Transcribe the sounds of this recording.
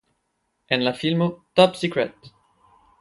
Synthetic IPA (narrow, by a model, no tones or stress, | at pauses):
ɛ̃nlafilmot̪ɔpsikɹɛt̪